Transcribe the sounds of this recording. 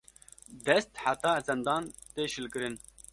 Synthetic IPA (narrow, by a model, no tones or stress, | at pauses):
d̪ɛst̪ħat̪ɑːzɛnd̪ɑːnt̪eːʃɨlkɨɾɨn